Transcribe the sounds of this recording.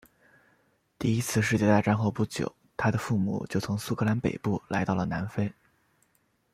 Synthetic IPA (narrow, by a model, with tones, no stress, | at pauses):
t̪i˥˩i˥t͡sʰɹ̩˥˧ʂ̬ɻ̩˥˧t͡ɕjɛ˥˧t̪a˥˧ɪʈ͡ʂa˥˧nxo˥˧ʊpu˥˩t͡ɕjo̰˨˩˦ʊt̪ʰa˥d̪ə˨fu˥˩mṵ˨˩˦t͡ɕjo˥˩ʊt͡sʰʊ˧˥ŋsu˥kʰɤ˥˧la˧˥npḛ˨˩ɪpu˥˩la̰˧˥ɪt̪ɑ˥˩lə˩na˧˥nfe˥ɪ